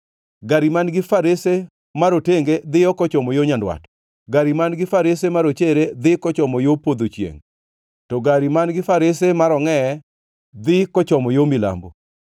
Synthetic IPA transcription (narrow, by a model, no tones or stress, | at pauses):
ɡaɾimanɡɪfaɾese | maɾoteŋɡed̪ɪjɔkɔt͡ʃɔmɔjoɲandwa̰t | ɡaɾimanɡɪfaɾesemaɾot͡ʃeɾed̪ɪkɔt͡ʃɔmɔjopod̪ot͡ʃjḛŋ | tɔɡaɾimanɡɪfaɾesemaɾɔŋɛ | d̪ɪkɔt͡ʃɔmɔjomɪla̰mbo